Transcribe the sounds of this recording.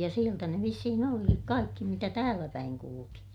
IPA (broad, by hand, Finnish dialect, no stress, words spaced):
jɑ sieltæ ne ʋisːihin olikik kɑikːi mitæ tæːlæpæiŋ kuluki